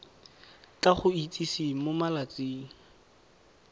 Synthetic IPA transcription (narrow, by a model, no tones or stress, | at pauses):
kaχʊit͡sʼisimʊmalat͡sʼiːŋ̩